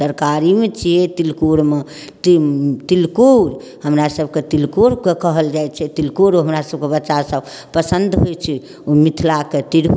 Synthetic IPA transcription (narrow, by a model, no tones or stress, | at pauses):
səɾkaɾimet͡ʃʰiet̪ilkuɾme | t̪t̪ilkuɾ | ɦəmɾasəb̚ket̪ilkuɾkekəɦəld͡ʒajt͡ʃʰɛt̪ilkuɾoɦəmɾasəb̚kebətːʃasəb | pəsənd̪ɦojt͡ʃʰɛ | omit̪ʰlaket̪il